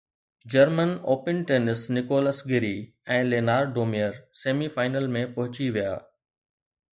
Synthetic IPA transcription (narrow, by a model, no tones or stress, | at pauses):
d͡ʑɐɾmənoːpɪnʈeːnɪsnɪkoːlɐsɡɪɾi | ɛ̃ːleːnaːɾɖɖoːmijəɾseːmifaːɪnəlmẽpɐɦʊt͡ɕiʋija̰ː